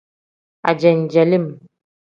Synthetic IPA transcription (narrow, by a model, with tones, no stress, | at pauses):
a̰˨d͡ʒɛ˨n˨d͡ʒɛ˨li˦˨m